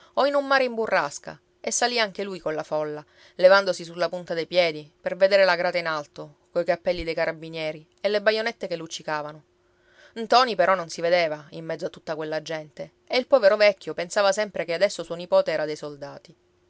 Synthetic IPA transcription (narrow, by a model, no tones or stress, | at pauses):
ɔinumːaːɾeimburːaska̰ | esːaliaŋk̟elujkolafɔlːa | levand̪osisulːapunt̪ad̪ejpjɛːd̪iperved̪eːɾelaɡɾaːt̪ainalt̪o | kojkapːɛlːid̪ejkaɾʔabinjɛːɾi | elːebajonɛt̪ːekelːut͡ʃːikaːvano | nt̪ɔnipeɾɔnːonsived̪eːvaimːɛd̪zːoat̪ːut̪ːakwelːad͡ʒːɛnt̪e | eilpɔːveɾovɛkʰʲːjopensaːvasɛmpɾekead̪ɛsːosuːonipɔːt̪eɛːɾad̪ejsold̪aːt̪i